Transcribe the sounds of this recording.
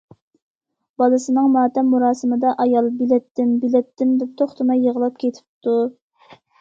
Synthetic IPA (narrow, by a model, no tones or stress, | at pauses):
b̥ɑlˠɨsɨnɨŋmɑːt̪ʰɛmːuɾɑːsɨmɨd̪ɑʔɑjɑlˠbilɛt̪ːɪmbilɛt̪ːɪmd̪ɛp̚t̪ʰoχt̪ʰɨmɑjːəʁəlˠɑp̚kʲʰet̪ʰɪ̥pt̪ʰu